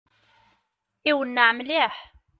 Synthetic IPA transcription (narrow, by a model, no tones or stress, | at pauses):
iwənːaʕmliħ